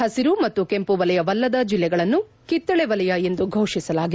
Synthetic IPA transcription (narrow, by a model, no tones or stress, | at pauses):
hɐsiɾumɐt̪ːuke̞mpuʋɐlɛjɐʋɐlːɐd̪ɐd͡ʒilːɛɡɐɭɐnːu | kit̪ːɐɭɛʋɐlɛjɐe̞nd̪uɡʱɐwʂisɐlaːɡi